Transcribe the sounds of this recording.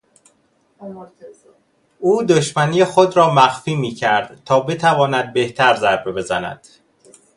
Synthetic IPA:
ʔuːd̪oʃmæniːexod̪ɾɒːmæxfiːmiːcʰæɾd̪̥t̪ʰɒːbe̞t̪ʰævɒːnæd̪̚be̞ht̪ʰæɾzæɾbebe̞zænæ̰d̪̥

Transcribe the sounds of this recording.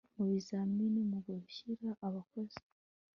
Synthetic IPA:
muβizaminimuɡaβuçiɾaʔaβakoz̥i̥

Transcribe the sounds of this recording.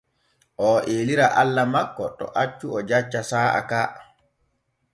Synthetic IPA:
ʔɔʔeːliɾaʔalːamakːɔtɔ̰ʔat͡ʃːuɔd͡ʒat͡ʃːasaːʔa̰kaː

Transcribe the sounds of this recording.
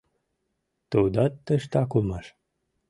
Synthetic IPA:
t̪od̪ɑt̪ːəʃt̪ɑkulmɑʃ

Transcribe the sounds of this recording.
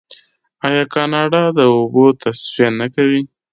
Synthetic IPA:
ɑjɑkɑnɑɖɑd̪əobot̪asfijanakawi

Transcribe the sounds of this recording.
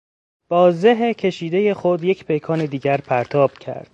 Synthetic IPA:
b̥ɒːzeɦecʰe̞ʃiːd̪e̞je̞xod̪je̞cʰpʰe̞jkʰɒːned̪iːɟæɾpʰæɾt̪ʰɒːb̥cʰæ̰ɾd̪̥

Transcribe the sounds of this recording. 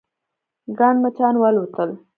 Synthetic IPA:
ɡɑɳmat͡ʃɑnwalut̪əl

